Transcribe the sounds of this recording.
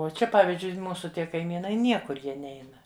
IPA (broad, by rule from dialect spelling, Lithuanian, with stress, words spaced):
oː ˈt͡ʃʲɛ ˈpɑːʋʲɪzʲd͡ʒʲʊɪ ˈmuːsʊ ˈtʲiɛ kɐɪˈmʲiːnɐɪ ˈnʲiɛkʊr ˈjiɛ ˈnʲɛɪnɐ